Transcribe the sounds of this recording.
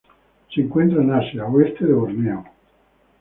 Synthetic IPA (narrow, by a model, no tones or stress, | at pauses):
seŋkwent̪ɾanasjawest̪eðeβoznja